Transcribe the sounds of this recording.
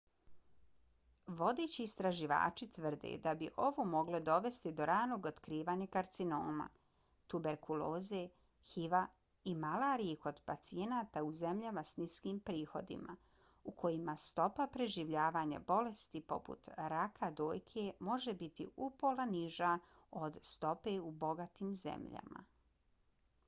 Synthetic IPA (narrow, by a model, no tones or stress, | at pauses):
ʋo̞d̪e̞t͡ɕiːst̪ɾaʒiʋa̰ːt͡ʃit̪ʋər̩d̪ḛd̪abiʔo̞ʋomo̞ɡlod̪o̞ʋe̞st̪id̪o̞ɾaːno̞ːɡot̪kɾiːʋaːɲakaɾt̪sinoːma̰ | t̪ube̞ɾkuloːze̞ | xiʋa | imalaːɾieko̞d̪pat̪sie̞naːt̪auze̞mʎamasniskiːmpɾiːxo̞d̪ḭma̰ | ukʰo̞jimast̪o̞papɾe̞ʒiʋʎaːʋaːɲa̰bo̞le̞st̪ipo̞pṵt̪ɾakʰad̪oːjkʰe̞mo̞ʒebit̪ḭʔupolaniʒa | o̞d̪st̪o̞pe̞ubo̞ɡat̪iːmzḛmʎa̰ma̰